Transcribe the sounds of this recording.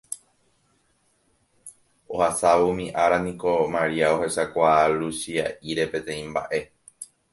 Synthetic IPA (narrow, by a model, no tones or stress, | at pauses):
o̞hasaʋomĩʔaɾanĩko̞maɾiao̞he̞sakʷalusiaʔiɾe̞pẽ̞t̪ẽ̞ĩmba̰ʔe̞